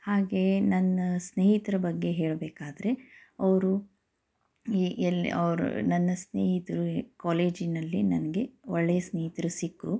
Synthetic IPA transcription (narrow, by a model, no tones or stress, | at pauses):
haːɡe̞nɐnːɐsneːɦit̪ɐɾɐbɐɡːe̞ɦe̞ːɭbeːkaːd̪ɐɾe̞ɐʋɐɾu | iʔel̰ɐ̰ʋɐɾṵnɐnːɐsnḛːɦit̪ɐɾukaːleːd͡ʒinɐlːinɐnɐɡe̞ɔɭːejɐsneːɦit̪ɐɾusikːu